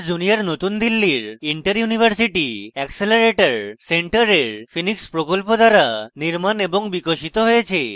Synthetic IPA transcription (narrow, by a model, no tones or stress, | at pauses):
d͡ʒunijəɾnot̪und̪ilːiɾiɳʈəɾjunibʱəɾsiʈiɛkseleɾeʈəɾseɳʈəɾeɾpʰinikspɾokɔlpod̪aɾaniɾmanebɔŋbikoʃit̪ɔɦojet͡ʃʰe